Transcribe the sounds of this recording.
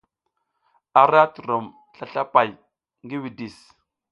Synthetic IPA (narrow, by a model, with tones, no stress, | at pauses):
a˨ɾa˦tu˨ɾo˨m | ɬa˦˨ɬa˦pa˨j | ŋɡi˦wi˨di˨s